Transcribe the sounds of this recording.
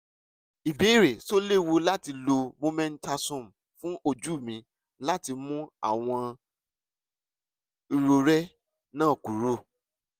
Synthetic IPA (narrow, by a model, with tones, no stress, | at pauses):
i˨be˨˦ɾe˨so˦le˦˨wo˧la˦ti˧lo˧mo˧mɛ̃˦n̩˦ta˧sũ˦˨m̩˨ | fũ˦ʔo˧d͡ʒu˦˨mĩ˨˧ | la˦ti˧mũ˦a̰˦˨w̃ɔ̃˧ | i˧ɾo˧ɾɛ˦ | nãː˦˨ku˨˦ɾo˦˨